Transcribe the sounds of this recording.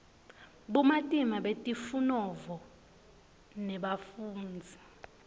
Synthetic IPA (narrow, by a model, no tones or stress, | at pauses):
ɓumatʼimaɓetʼifunɔvɔ | nɛɓafuːnd͡zʱi